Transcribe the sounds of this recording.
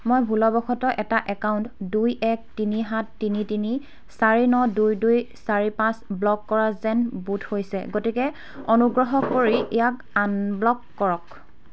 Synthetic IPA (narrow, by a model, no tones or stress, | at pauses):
mojbʱulɔbɔxʰɔtɔʔɛtaʔɛkaʊntdujʔɛk̚tiniɦatːinitini | saɹinɔdujdujsaɹipãsblɔkːɔɹazɛnbutʰhojsɛɡotikɛ | onuɡɹɔɦɔkoɹiʔɛjak | anblɔkːɔɹɔk